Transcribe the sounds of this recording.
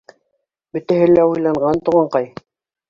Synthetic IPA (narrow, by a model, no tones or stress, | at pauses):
bɵ̆t̪æɦɘlæujlˠɑɴɢɑnt̪uʁɑɴqɑj